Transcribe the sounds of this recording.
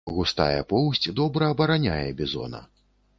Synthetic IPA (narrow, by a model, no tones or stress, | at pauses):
ɣust̪a̰jɛpɔwsʲt͡sʲd̪ɔbɾɐːbɐɾanʲajɛbʲizɔ̰nɐ̰